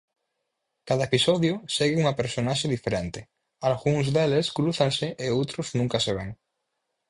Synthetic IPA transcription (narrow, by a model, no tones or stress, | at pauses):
kaðaepisɔðjʊseɣɪuŋapeɾsonaʃeðifeɾent̪ɪ | alɣuŋzðeleskɾuθaŋseʔeowt̪ɾʊznũŋkaseβ̞eŋ